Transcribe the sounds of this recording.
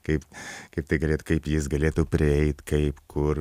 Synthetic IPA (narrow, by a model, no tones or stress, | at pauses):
kɐɪpkɐɪp̚t̪ɐɪɡɐlʲeːt̪ukɐɪpjɪs̬ɡɐlʲeːt̪uːpʲɾʲɪɛɪt̪kɐɪpkʰʊr